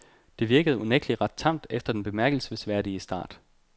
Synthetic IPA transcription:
d̥e̝ʋiɐɡ̥əð̩ˠuneɡ̥liʁɑ̈d̥̚t͡sʰɑ̈m̰d̥efd̥ɐd̥enb̥e̝mæɐɡ̥l̩sʋesʋæɐ̰ɾiəsd̥ɑ̰̈ːd̥

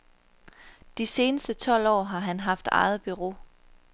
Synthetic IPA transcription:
d̥ise̝ːnəsd̥ət͡sʰɒ̽l̰ɒ̰ːɦɑ̈ɦænɦɑ̈fd̥ɑ̰̈ɪð̩ˠb̥yʁo̝̰ː

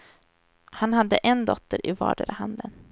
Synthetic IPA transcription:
hanɦad̪ːəʔɛnd̪ɔt̪ːəɾʔɪvɑ̰ːɖəɾəhand̪ən

